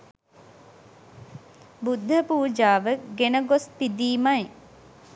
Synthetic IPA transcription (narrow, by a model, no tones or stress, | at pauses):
bud̪ʱːəpuːd͡ʒaːʋəɡenəɡospid̪iːmaj